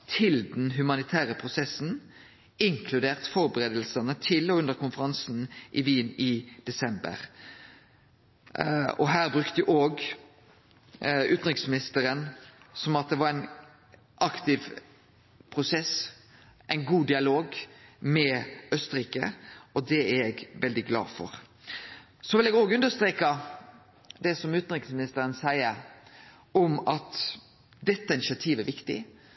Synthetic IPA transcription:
t̪ʰɪld̪nɦʉmɑnɪt̪ʰæːʁəpʰʁʊsɛsn̩ | ɪŋkʰlʉd̪eːʁt̪fɔʁbəʁeːd̪əl̩sənət̪ʰɪlɔʉnd̪əʁkʰʊnfəʁɑnsn̩ʔɪʋiːnɪd̪̥ɛsɛmbə̰ʁ | ɔ̰ɦæːʁbʁʉkt̪əjʉʔoːɡ | ʉːt̪nʁɪksmɪnɪst̪əɾənsɔmɑt̪̚d̪ɛʋɑʁæɪn | ʔɑkt̪ɪʋ | pʰɾʊsɛs | ʔæɪnɡuːd̪ɪɑloːɡmɛœst̪əɾiːkə̰ɔd̪ɛæɾɛɡʋɛld̪ɪɡlɑ̰ːfɔ̰ɾ | sɔʋɪlɛːɡoːɡʉnd̪əst̪ɾeːkɑ | d̪ɛsɔmʉːt̪n̩ɾɪksmɪnɪst̪əɾənsæɪəɾ | ɔmɑt̪ | d̪ɛt̪ːəɪnɪsɪɑt̪ʰiːʋæɾʋɪkt̪ɪ̰

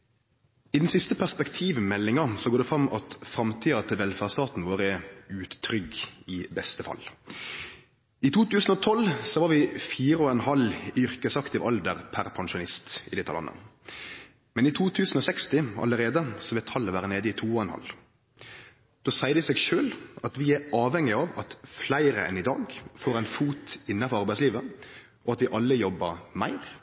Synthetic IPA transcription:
id̪ɛn̩sɪst̪əpʰæʁspɛkt̪ʰiːʋmɛlːɪŋɑsɔɡoːʁd̪ɛfʁɑmɑ̰t̪fʁɑmt̪ʰiːɑt̪ʰɪlʋɛlfæʁst̪ɑːt̪n̩ʋoːʁəɛʉːt̪ːʰɾʏɡɪbɛst̪əfɑ̰lː | ɪt̪ʰuːt̪ʉːsn̩ɔt̪ʰɔlsɔʋɑʁʋɪfiːʁəɔɛnhɑlʏʁkəsɑkt̪ɪʋʔɑld̪əʁpʰæʁpʰɑŋʃʊnɪst̪ɪ̰d̪ɪt̪ʰːɑ̰lɑ̰nə̰ | mɛnɪt̪ʰuːt̪ʰʉːsən̩ɔsɛkst̪ɪɑ̰ləʁeːd̪əsɔʋɛːt̪ʰɑlːəʋæːʁəneːd̪əɪt̪ʰuːɔɛnhɑ̰l | d̪̥oːsæɪəd̪ɪseːɡʃøːlɑt̪ʋɪæɑːʋɛŋɪɑːʋɑt̪flæɪɾəɛ̰nɪd̪ɑ̰ːɡfoːɾæɪnfuːt̪ɪnːɑfɔʁɑʁbæɪsliːʋə | ʔɔɑt̪ʋɪʔɑlːəjɔbːəmæ̰ɪʁ

